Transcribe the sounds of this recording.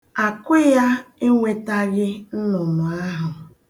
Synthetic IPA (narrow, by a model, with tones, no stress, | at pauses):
a˨kʷʊ˦ja˦ɪ˦ŋʷe˦ta˦ɣɪ˦n̩˦nʊ˨nʊ˨a˦ɦʊ˨